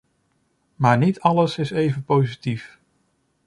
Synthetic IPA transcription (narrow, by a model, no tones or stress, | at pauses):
maːɹnitɑləsɪsejvənpowzitif